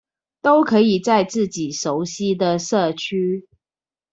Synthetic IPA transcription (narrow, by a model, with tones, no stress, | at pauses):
t̪o˦˥ʊkʰɤ˧˥i˨˩t͡sa˥˧ɪt͡sɹ̩˥˩t͡ɕi˨˩ʂo˨˦ʊɕi˥d̪ə˨ʂɤ˥˩t͡ɕʰy˥